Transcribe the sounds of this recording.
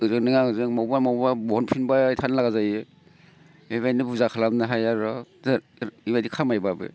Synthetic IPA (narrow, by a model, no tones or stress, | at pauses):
ɯzɯnɯŋaɯzɯŋmɔbamɔbabɔɦɔnpʰinbaitʰanlaɡazajɯ | eβajnɯbuzakʰalamnaɦajaɾɔzaɾ | ibadikʰamajbabɯ̰